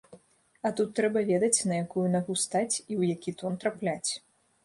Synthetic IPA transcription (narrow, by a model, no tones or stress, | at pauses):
ɐt̪ut̪ːɾɛbɐvʲɛd̪ɐt͡sʲnɐjakujunaɣust̪at͡sʲiwjakʲit̪ɔnt̪ɾaplʲat͡sʲ